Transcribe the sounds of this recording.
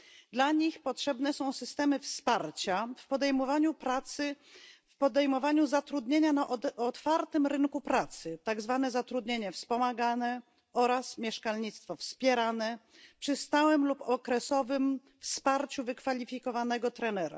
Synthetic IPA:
d̪laɲixpɔtʂɛbnɛsɔ̃w̃sɘst̪ɛmɘfspaɾt͡ɕafpɔd̪ɛjmɔvaɲupɾat̪sɘ | fpɔd̪ɛjmɔvaɲuzat̪ɾud̪ɲeɲanaʔɔt̪faɾt̪ɘmɾɘŋkupɾat̪sɘt̪aɡzvanɛzat̪ɾud̪ɲeɲɛfspɔmaɡanɛ | ɔɾasmʲjɛʂkalɲit̪st̪fɔfspʲjɛɾanɛ | pʂɘst̪awɛmlupɔkɾɛsɔvɘm | fspaɾt͡ɕuvɘkfalʲifʲikɔvanɛɡɔt̪ɾɛnɛɾa̰

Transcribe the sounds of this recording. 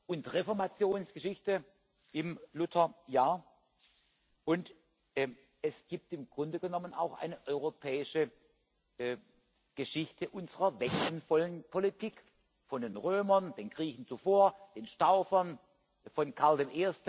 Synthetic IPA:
ʔʊntʁefɔɐmat͡sjoːnsɡ̥əʃɪçtə | ʔɪmlʊtʰɐjaːɐ | ʔʊntː | ɛsɡ̥iːp̚tɪmɡ̥ʁʊndəɡənɔməna̰ʊxʔa̰ɪnəʔɔʏʁopʰɛːɪʃə | ɡ̥əʃɪçtʰəʔʊnzəʁɐvɛksn̩fɔlənpʰolitʰiːk | fɔndeːnʁøːmɐnd̥eːnɡ̥ʁiːçn̩t͡sufoːɐd̥eːnʃtaʊfɐn | fɔnkʰaɐldeːnʔeːɐst

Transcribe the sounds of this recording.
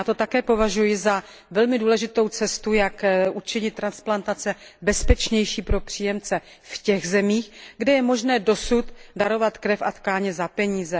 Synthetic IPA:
at̪o̞t̪akɛːpo̞vaʒujɪza | vɛlmɪduːlɛʒɪt̪o̞wt͡sɛst̪ujakʔut͡ʃɪɲɪt̪ːɾansplant̪at͡sɛbɛspɛt͡ʃɲɛjʃiːpɾo̞pr̥iːjɛmt͡sɛ | fcɛɣzɛmiːxɡdɛjɛmo̞ʒnɛːdo̞sut̪daɾo̞vat̪kɾɛfʔat̪kaːɲɛzapɛɲiːzɛ

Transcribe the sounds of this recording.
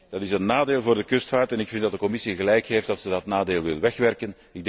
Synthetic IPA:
d̥ɑtɪsənːaːdeːlˠvʊːrdəkʏstfaːrtɛnɪkfɪntdɑt̚dəkɔmɪsiɣəlɛjkɦeːftɑtsədɑtnaːdeːlˠʋɪ̰lˠʋɛxʋɛrkən | ɪɡ̚dɛ

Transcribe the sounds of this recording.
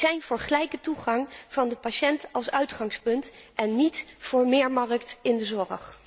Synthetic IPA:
zɛjnv̥ʊːɹχəlɛjkətuχɑŋv̥ɑndəpaʃɛntɑlˠsœɥtχɑŋspɵntʔɛnːitv̥ʊːɹmɪːɹmɑrəktɪndəzɔrə̰χ

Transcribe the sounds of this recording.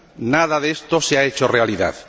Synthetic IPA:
naðaðest̪oseaet͡ʃorealiða̰ð

